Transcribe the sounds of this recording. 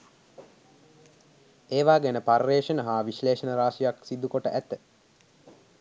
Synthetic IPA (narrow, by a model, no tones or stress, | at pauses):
eːʋaːɡenəpaɾreːʂənəɦaːʋiʃleːʃənəɾaːʃijaksid̪ukoʈəʔæt̪ə